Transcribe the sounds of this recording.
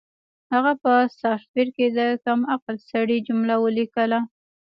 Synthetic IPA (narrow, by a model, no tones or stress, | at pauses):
haɣapəsɑffiɾked̪əkamaqlsaɽid͡ʒʊmlawəlikəla